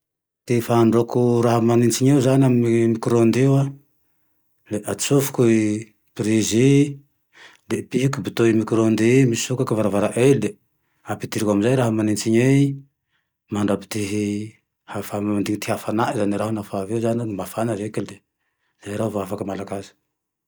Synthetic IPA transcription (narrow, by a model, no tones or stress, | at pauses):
t̪ifaɳɖ͡ʐokuɾaɦamanint͡siɲewzaniamimikɾond̪ewa | leʔad̪i̥sufu̥kui | pɾizi | lepikubit̪oimikɾond̪imii̥sukakavaɾavaɾaʔelle | apit̪iɾikamizajɾaɦamanint͡siɲe | maɳɖ͡ʐapi̥t̪iɦi | hafamaand̪iŋit̪iɦafanaʔizaniɾaɦunafavewzanmafanaɾekild̪e | z̥ajɾaɦuvoafakəmalaɡazə̥